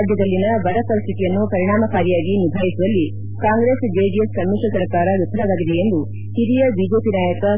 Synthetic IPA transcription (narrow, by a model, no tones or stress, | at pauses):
b̪ʱjɐd̪ɐlːinɐbɐɽɐpɐɾist̪ʰit̪ijɐnːupɐɾiɳ̃aːmɐkaːɾjaːɡinib̪ʱaːjisuʋɐlːi | kaːŋɡɾeːsd͡ʒeːd͡ʒiessɐmːiʂɐsɐɾkaːɾɐɾut̪ʰːɐɾɐʋaːɡid̪e̞end̪u | hiɾijɐbid͡ʒeːpinaːjɐkɐ